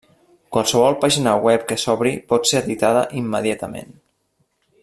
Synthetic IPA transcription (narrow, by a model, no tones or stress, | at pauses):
kwalˠsəβ̞ɔlˠpaʒinəwɛp̚kəsɔβɾipɔt̪seəðit̪aðəʔimːəðjat̪əmḛn